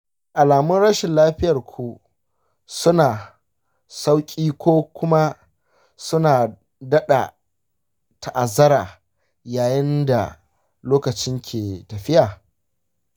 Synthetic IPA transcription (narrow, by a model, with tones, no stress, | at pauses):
ʔa˨laː˨mʊ˦nɽɐ˦ʃɪ˨nlaː˦ɸɪ˦jɐ˨rkʷʰu˨ | sʊ˦naː˨ | sa˦wkʲʼiː˦kʷoː˦kʷʊ˦ma˦ | sʊ˦naː˨ | dɐ˦ɗa̰˨ | ta˨ʔa˨zɐ˦ɾaː˨ | jaː˨jɪ˦nda̰˨ | loː˦kɐ˨t͡ʃɪ˦ŋkʲʰeː˨tɐ˨ɸɪ˦jʔaː˨